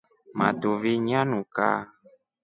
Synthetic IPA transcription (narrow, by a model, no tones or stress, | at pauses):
mã̰t̪oviɲãnũka̰